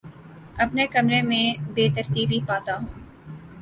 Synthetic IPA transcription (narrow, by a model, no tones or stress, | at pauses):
ɐpnekɐmɾemẽbeːt̪ɐɾt̪iːbʱipaːt̪aɦũː